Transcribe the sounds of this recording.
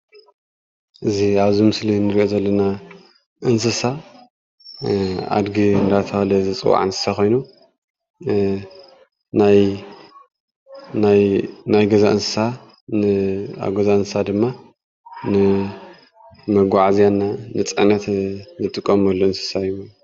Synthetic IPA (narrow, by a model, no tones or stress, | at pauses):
ʔɨziaβzimɨslinɨɾiʔozɐlːɐna | ʔɨns̬ɨsa | a̰d̪ɡiɨnd̪at̪ʰɐɐlɐzɐt͡sʼɨ̰wa̰ʕɨnsɨ̥sako̞jnu | naj | najnajɡɐzaʔɨnsɨ̥sa | nɨa̰βɡozaɨnsɨ̥sad̪ɨmːa | nɨ | mɐɡʷaʕazijanːanɨt͡sʼɐ̰nɐt̪nɨt̪ʼɨkʼːɐmɐlːoɨnsɨ̥saju